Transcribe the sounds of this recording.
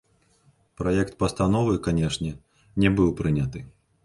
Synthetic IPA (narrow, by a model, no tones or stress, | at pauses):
pɾajɛkt̪̚pɐst̪anɔvɨkanʲɛʂnʲɛ | nʲɛbɨwpɾɨnʲɐt̪ɨ